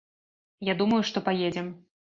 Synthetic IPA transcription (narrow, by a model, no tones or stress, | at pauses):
jad̪umɐjuʂt̪ɔpajed͡zʲɛm